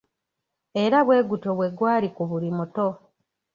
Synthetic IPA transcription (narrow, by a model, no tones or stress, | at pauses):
e̞ɾaβwe̞ːɡuto̞βwe̞ɡwaːɾikuβulimuto̞